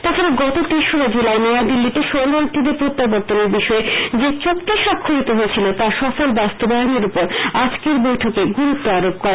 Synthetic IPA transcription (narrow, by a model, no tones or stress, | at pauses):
t̪at͡ɕʰaɾeɡɔt̪ot̪iʃoɾod͡ʑelaenead̪ilːit̪eʃoɡalt̪id̪epɾot̪ːabɔɾt̪ːoneɾbiʃɔed͡ʑet͡ɕokt̪iʃakʰːoɾit̪oɦoet͡ɕʰilot̪aʃɔfolbast̪obaoneɾupoɾad͡ʑkeɾbojʈʰokeɡuɾut̪ːoaɾop̚kɔɾe